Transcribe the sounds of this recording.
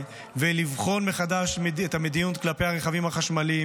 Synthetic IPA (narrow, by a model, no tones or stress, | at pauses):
velivχo̞nmeχad̪aʃmethamed̪inut̪klape̞jhaʁeχavimhaχaʃmali